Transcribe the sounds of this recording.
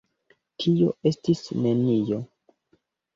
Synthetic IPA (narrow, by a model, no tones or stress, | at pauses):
tʰio̞̰e̞stisne̞nijo̞